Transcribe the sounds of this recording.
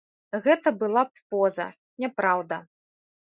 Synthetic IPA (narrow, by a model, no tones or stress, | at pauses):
ɣɛt̪ɐbɨlˠapɔzɐ̰ | nʲɛpɾawd̪ɐ